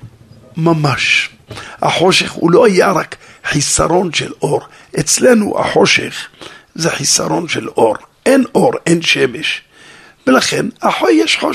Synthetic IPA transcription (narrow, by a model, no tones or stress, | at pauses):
mamaʃ | ha̰ħo̞ʃeχhṵlo̞ajaɾak | ħisaɾo̞nʃelʔo̞ɾ | ʔet͡slenṵʔa̰ħo̞ʃḛχzeħisa̰ɾo̞nʃelʔo̞ɾʔenʔo̞ɾʔenʃemeʃ | velaχenhaħojjeʃħo